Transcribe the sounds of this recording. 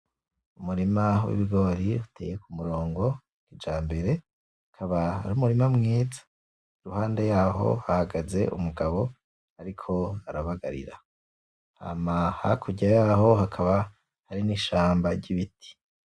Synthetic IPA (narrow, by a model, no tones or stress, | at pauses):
umuɾimawḭβiɡo̞ːɾiutḛːje̞kumuɾo̞ːŋɡo̞ | ɡid͡ʒaːmbe̞ɾe̞ | akʰaβaaɾumuɾimamŋiːzḁ | ɾuhaːndejaːɦo̞̰hahaɡaze̞̰ʔumuɡaβo̞ | aɾikʰo̞aɾaβaɡa̰ɾḭɾa | ha̰maha̰kʰuɟajaːɦo̞ɦakʰaβa | haɾiniːʃaːmbaɾɟiβitʰi̥